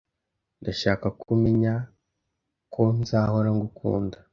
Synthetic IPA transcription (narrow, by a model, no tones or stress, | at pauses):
ndaʃaːkakʰumeɲa | kʰo̞nzaːhoɾaŋɡukʰṵːnda